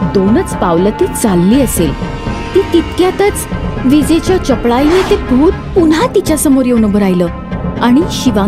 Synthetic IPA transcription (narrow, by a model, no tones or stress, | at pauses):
d̪onət͡spaʋlət̪iːt͡salːiːəsel | t̪iːt̪it̪kjat̪ət͡sʋid͡zet͡ɕjat͡ɕəpɭainet̪ebʱuːt̪̚punɦat̪it͡ɕjasəmoɾjeunəbʱəɾajləː | aɽ̃iɕiʋã